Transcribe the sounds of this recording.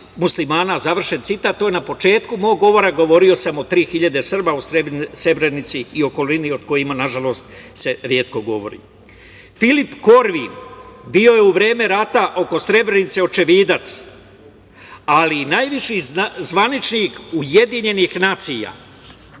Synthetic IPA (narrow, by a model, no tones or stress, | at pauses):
muslimaːnazaʋr̩ʃe̞nt̪sit̪at̪ːojenapo̞t͡ʃe̞ːt̪kumo̞ːɡːo̞ʋo̞ɾaɡo̞ʋo̞ɾio̞samo̞t̪ɾiːxiʎad̪e̞sr̩bausɾesɾe̞bɾenit̪siːo̞ko̞linio̞d̪ko̞jimanaʒalo̞st̪ | se̞ɾje̞ːt̪ko̞ɡo̞̰ʋo̞̰ɾḭ | filipko̞ɾʋinbio̞jeuʋɾe̞ːme̞ɾat̪aʔo̞ko̞sɾe̞bɾe̞nit̪se̞o̞t͡ʃe̞ʋiːd̪at̪s | alinajʋiʃizʋanit͡ʃnikuje̞d̪iɲe̞nixnaːt̪sija̰